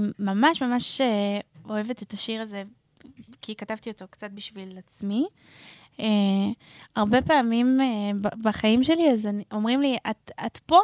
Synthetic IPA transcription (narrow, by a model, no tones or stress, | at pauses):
mamaʃmamaʃeo̞e̞ve̞tetaʃiʁaze̞ | kikatavt̪io̞to̞kt͡sat̪̚biʃvilat͡smi | e | aʁbe̞paːmimebbaχaimʃe̞liazaniʔo̞mʁimliʔata̰tpo